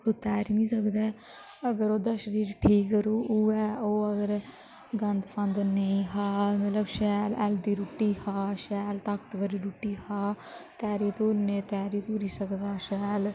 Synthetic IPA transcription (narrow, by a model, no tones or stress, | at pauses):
kot̪ɛːɾmĩːsəkd̪ɛː | əɡəɾoːd̪aːʃəɾiːɾʈʰiːkəɾuːuːɛːoːəɡəɾ | ɡənd̪pʰənd̪nəĩːɦaːmət̪ləbʃɛːlɛ̰ːld̪iːɾʊʈːiːhaːʃɛːlt̪əkt̪ʋəɾiːɾuʈːiːhaː | t̪ɛːɾiːt̪oːɾnẽːt̪ɛːɾiːt̪oːɾiːsəkd̪aːʃɛːl